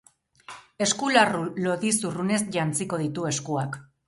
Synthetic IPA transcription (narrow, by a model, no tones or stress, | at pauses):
e̞skularulo̞ðisurune̞sʝant͡siko̞ð̞it̪ue̞skuak